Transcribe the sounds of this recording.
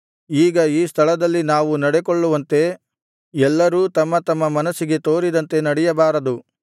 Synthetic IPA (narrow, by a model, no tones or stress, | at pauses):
iːɡɐiːst̪ʰɐɭɐd̪ɐlːinaːʋunɐɽekoɭːuʋɐnt̪e̞ | ɛlːɐɾuːt̪ɐmːɐt̪ɐmːɐmɐnɐsiɡe̞t̪o̞ːɾid̪ɐnt̪e̞nɐɽɛjɐbaːɾɐd̪u